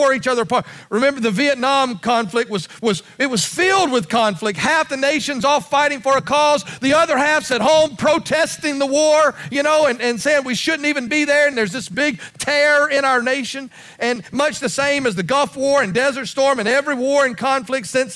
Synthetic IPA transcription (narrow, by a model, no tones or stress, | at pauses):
ə˞it͡ʃʌðə˞pʰɑɹt̚ɹɨmɛ̃mbə˞ðɨviɨtⁿnɑ̃mkʰɑ̃ɱflɨk̚t̚wʌzwʌz | ɨt̚wʌz̥fɪlˠd̚wɨð̥kʰɑ̃nflɨk̚t̚hæfðɨneɪʃɨ̃nzɔfaɪɾɪ̃ŋfə˞ɨkʰɔzðiʌðə˞hæfsɨt̚ɦõʊ̃mpʰɹ̥oʊtʰɛstɪ̃ŋðəwɔɹjɨñoʊɨ̃nɨ̃nseɪɪ̃ŋwiʃʊdⁿn̩tivɨ̃nbiðə˞ɨ̃nðə˞zðɪsb̥ɪɡ̚tʰɛɹə˞ɪ̃ɾ̃aʊə˞neɪʃɨ̃n | ɨ̃nmʌt͡ʃðɨsẽɪ̃mɨzðɨɡʌlˠfwɔɹɨ̃ndɛzə˞tstɔɹmɨ̃nɛvɹiwɔɹɨ̃nkʰɑ̃nflɨk̚tsɪ̃ns